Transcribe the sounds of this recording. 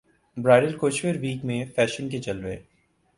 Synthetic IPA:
bɾaːɪɖɪlkoːt͡ʃʋeɾʋiːkmẽfɛːʃənket͡ʃɐlʋḛː

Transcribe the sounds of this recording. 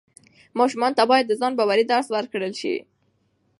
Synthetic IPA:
mɑʃʊmɑnt̪abɑjad̪ːəzɑnbɑwaɾid̪aɾswaɾkɽəlʃḭ

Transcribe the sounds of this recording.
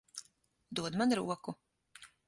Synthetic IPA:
d̪uɔd̪manɾuɔku

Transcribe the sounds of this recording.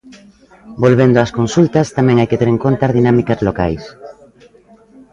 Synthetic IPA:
bolβend̪oʊaskonsult̪ɐst̪amɛ̃ŋajket̪eɾeŋkont̪aɾðinamikazloka̰js

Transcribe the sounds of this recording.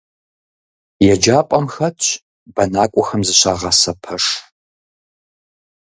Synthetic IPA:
jɛd͡ʒaːpʷʼɐmxɐtɕ | bɐnaːkʷʼʊxɐmzɨɕaʁɐsɐpʰɐʂ

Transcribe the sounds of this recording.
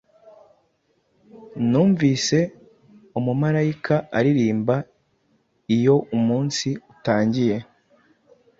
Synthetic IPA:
nuːɱvise̞ | umumaɾaikʰaaɾiɾiːmba | ijo̞umuːnsiutaːɲɟije̞

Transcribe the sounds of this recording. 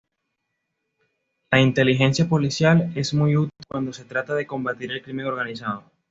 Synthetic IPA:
laint̪e̞lixe̞nsjapo̞lisjale̞zmujut̪ilkwand̪o̞se̞t̪ɾat̪aðe̞ko̞mbat̪iɾe̞lkɾime̞ŋo̞ɾɣanisaðo

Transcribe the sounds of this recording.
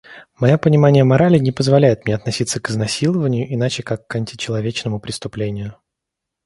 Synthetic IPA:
mɐjopənʲɪmanʲɪjəmɐɾalʲɪnʲɪpəzvɐlʲæjɪt̪mʲnʲeɐt̪nɐsʲit̪sːəkɨznɐsʲilˠəvənʲɪjʊʔɪnat͡ɕɪkakːɐnʲtʲɪ̥t͡ɕɪlˠɐvʲet͡ɕnəmʊpɾʲɪst̪ʊplʲenʲɪjʊ

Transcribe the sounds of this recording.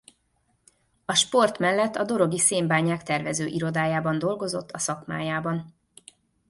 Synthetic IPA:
ɒʃpo̞rt̪mɛlːɛt̪ːɒd̪o̞ɾo̞ɡiseːmbaːɲaːkt̪ɛrvɛzøːʔiɾo̞d̪aːjaːbɒnd̪o̞lɡo̞zo̞t̪ʰːɒsɒkma̰ːjaːbɒn

